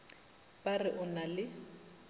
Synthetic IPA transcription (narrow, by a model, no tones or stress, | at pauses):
barɪʔʊnalɪ